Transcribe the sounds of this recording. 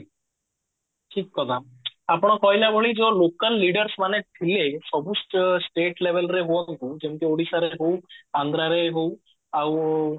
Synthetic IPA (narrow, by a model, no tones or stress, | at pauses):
ʈʰikːɔt̪a | apɔɽ̃ɔkɔɦjlabʱɔɭid͡ʒɔlokəlːiɖəɾsmaneʈ̪ʰilesɔbʱusʈsʈeʈlebʱelɾeɦuɔŋk̪ud͡ʒemkeoɽisaɾeɦowand̪ɾaɾeɦow | aw